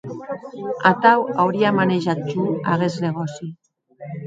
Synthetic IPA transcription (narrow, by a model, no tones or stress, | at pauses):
at̪awawɾiamaneʒat̪̚t͡ʃuaɣezneɣ̞osi